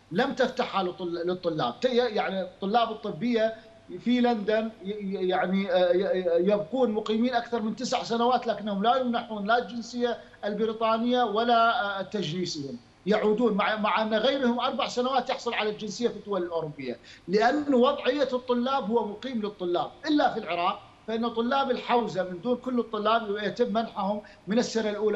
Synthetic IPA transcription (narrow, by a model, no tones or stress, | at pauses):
lamt̪aft̪aħhalt̪ˤːlɨt̪ˤːʊlːa̰ːb̚t̪jjaʕnit̪ˤːʊlːɑːbɨt̪ˤːɨbːɪjːa | filand̪anjaʕni | jab̚quːnmʊqiːmiːnʔakθɑɾˤmɪnt̪ɪsʕsanawaːt̪laːkɪnːhʊmlajɪmnaħuːnlald͡ʒɪnsɪjːa | ʔɪlbɪɾiːt̪ˤɑːnɪjːawalat̪ːad͡ʒliːshɪm | jaʕuːd̪uːnmaʕmaʕʔanːɣajɾhʊmʔɑɾˤbaʕsanawaːt̪jɪħsˤʊlʕalald͡ʒɪnsɪjːafid̪ːʊwalɪlʔoːɾʊbːɪjːa̰lɪʔanːwɑðˤʕɪjːat̪ˤːʊlːaːbhʊwːamʊqiːmlɨt̪ˤːʊlːaːb̚ʔɪlːafilʕɪɾˤɑːq̚ | faʔɪnːt̪ˤːʊlːaːbɪlħawzamɪnd̪uːnkʊlːɨt̪ˤːʊlːaːbjat̪ɪmːanħahʊmː | ɪnɪsːɪnːalʔuːla